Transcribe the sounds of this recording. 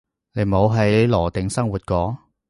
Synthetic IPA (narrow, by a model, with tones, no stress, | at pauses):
ne˨˧mo˨˧wɦɐ˨˥jlɔː˨˩t̪ɪ˨˥ŋsɐ˥ŋwuː˨t̚kɔː˨˥